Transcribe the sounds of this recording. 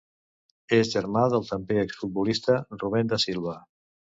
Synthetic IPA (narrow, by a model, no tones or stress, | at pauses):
ezʒəɾmaðəlˠt̪əmpeəksfut̪̚bulist̪əruβ̞ɛnd̪əsilˠβə